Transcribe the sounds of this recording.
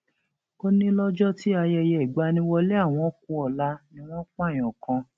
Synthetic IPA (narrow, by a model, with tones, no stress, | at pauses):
ko˧nĩ˦lɔ˦d͡ʒɔ˦ti˦a˧jɛ˧jɛ˧˨i˨ɡ͡ba˨˧˦nĩ˧wɔ˧le˦a˦˨w̃ɔ̃˧˦kũ˦ɔ˨la˦nĩ˧w̃ɔ̃˦kã˦˨ɔ̃˨kʰã˧